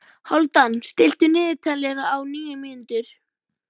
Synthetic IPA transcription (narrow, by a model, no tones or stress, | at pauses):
hɔlt̪anst̪ɪl̥t̪ʏnɪːðɪt̪ʰalːɛɣaawniːjʏmiːnɪnt̪ʏɾ̥